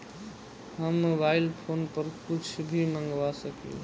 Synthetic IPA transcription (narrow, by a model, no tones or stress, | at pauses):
ɦəmːobailpʰonpəɾkʊt͡ʃʰbʱimə̃ŋɡʋasəkḭo̰